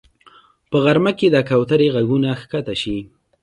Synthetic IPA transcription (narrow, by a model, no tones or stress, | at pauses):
pəɣaɾmaked̪akawt̪aɾeɣaɡunaxkat̪aʃi